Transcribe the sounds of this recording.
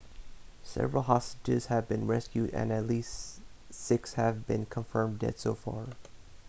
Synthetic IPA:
sɛ̰vɹl̩ˠɦɑsətɨz̥hɨvbɨ̃nɹɛskjʉɾɨ̰̃nɨtˡlistsɪkshɨvbɪ̃nkʰə̃ɱfɜ̃˞mdɨ̰tsoʊfɑ̰ɹ

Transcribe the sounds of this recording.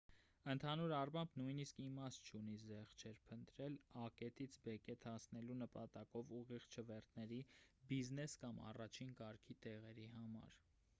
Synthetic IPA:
ənt̪ʰɑnuɾɑrmɑmbnujniskimɑst̪̚t͡ʃʰunizɛχt͡ʃʰɛɾpʰənt̪ɾɛlɑkɛt̪it͡sʰbɛkɛt̪ʰɑsnɛlunəpɑt̪ɑkɔvuʁiʁt͡ʃʰəvɛɾt̪ʰnɛɾibiznɛskɑmɑ̰rɑt͡ʃʰinkɑɾkʰit̪ɛʁɛɾiɦɑmɑ̰ɾ

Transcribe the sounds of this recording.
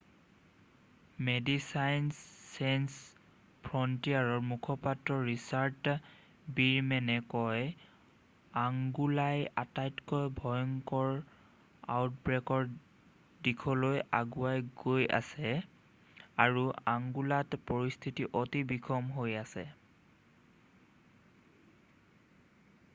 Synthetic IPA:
medisajnsːajns | pʰɹɔntiaɹɔɹmukʰɔpatɹɔɹisaɹt | biɹmɛnɛkɔj | aŋɡulajatajtkɔjbʱɔjɔŋkɔɹ | a̰wt̚bɹɛkɔɹ | dikʰɔloja̰ɡuajɡoja̰sɛ | aɹuaŋɡulatpɔɹist̪ʰitiʔɔtibikʰɔmɦojasɛ̰

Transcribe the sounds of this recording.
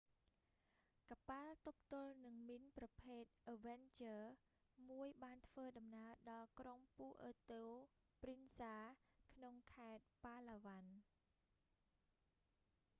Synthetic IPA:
kapalt̪up̚t̪ʊ̆əlnɨŋminprɑpʰeːt̪̚ʔəʋɛnt͡ɕəː | muəjɓaːnt̪ʰʋəːɗɑmnaəɗɑlkroŋpuːʔət̪oː | prinsaːkʰnoŋkʰaɛt̪̚paːlaːʋan

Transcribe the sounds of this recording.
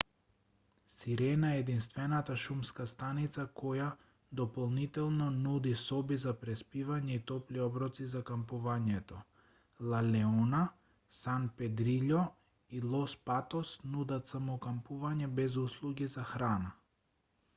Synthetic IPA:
siɾɛnaɛɛd̪inst̪vɛnat̪aʃumskast̪anit̪sakɔja | d̪ɔpɔlˠnit̪ɛlˠnɔnud̪isɔbizapɾɛspivaɲɛit̪ɔpliɔbɾɔt̪sizakampuvaɲɛt̪ɔ | lˠalɛɔna | sanpɛd̪ɾiʎɔ | ilˠɔspat̪ɔsnud̪at̪samɔkampuvaɲɛbɛzuslˠuɡizaxɾana

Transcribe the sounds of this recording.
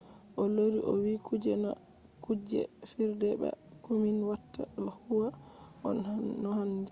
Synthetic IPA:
ʔɔloɾiʔɔ̰wikud͡ʒɛna | kud͡ʒɛ̰fiɾdɛɓɛ̰ | kuminwatːa̰lhuwa | ʔɔ̰nnɔhand͡ʒɛ

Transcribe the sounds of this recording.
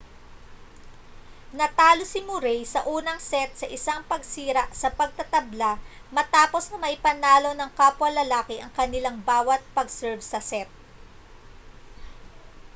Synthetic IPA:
nɐt̪aːlosɪmʊɾɛjsɐʔuːnɐŋsɛt̪̚sɐʔɪsaŋpɐɡsiːɾɐʔsɐpɐɡ̚t̪ɐt̪ɐbla | mɐt̪aːpo̞snɐmɐʔɪpɐnaːlo̞nɐŋkaːpʊwɐlɐlaːkɪʔɐŋkɐnɪlaŋbaːwɐt̪̚pɐɡsɛɹvsɐsɛt̪̚

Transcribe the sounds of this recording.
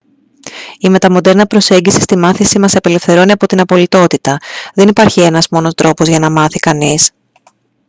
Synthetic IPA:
ime̞t̪ɐmo̞d̪e̞ɾnɐpɾo̞se̞ɲɟisi̥st̪imɐθisimɐsɐpele̞fθe̞ɾo̞niɐpo̞t̪inɐpo̞lit̪o̞t̪it̪ɐðe̞nipɐɾçie̞nɐzmo̞no̞st̪ɾo̞po̞zʝɐnɐmɐθikɐnis

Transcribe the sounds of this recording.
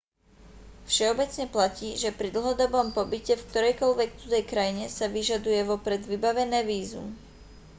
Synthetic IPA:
fʃɛɔbɛt͡sɲɛplaciːʒɛpɾid̪l̩ˠɦɔd̪ɔbɔmpɔbicɛfk̚t̪ɔɾɛjkɔʎʋɛkt̪ut̪ɛjkɾajiɲɛsaʋiʒad̪ujɛʋɔpɾɛd̪ʋibaʋɛnɛːʋiːzṵm

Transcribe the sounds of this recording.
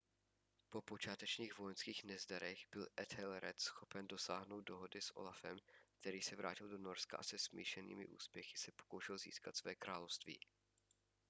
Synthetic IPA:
po̞po̞t͡ʃaːt̪ɛt͡ʃɲiːɣvojɛnskiːxnɛzdaɾɛɣbɪlʔɛt̪hɛlɛɾɛ̰t̪sxo̞pɛndo̞saːɦnowt̚do̞ɦodɪsʔo̰lafɛmk̚t̪ɛɾiːsɛvɾʔa̰ːcɪldono̞ɾska̰ʔasɛsmḭːʃɛnḭːmɪ̰ʔṵːspjɛxɪ̥sɛpo̥kowʃɛlzḭːskat̪svɛːkɾaːlo̞fst̪vḭː

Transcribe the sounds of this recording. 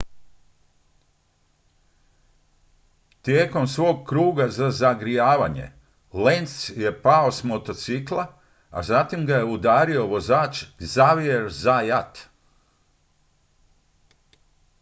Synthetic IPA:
t̪iekomsʋoːɡkɾuːɡazazaɡɾijaːʋaɲḛ | lenssjepaosmot̪ot̪siklˠa | a̰zat̪imɡajeud̪aːɾijoʋozaːt͡ʃzaʋieɾzajat̪

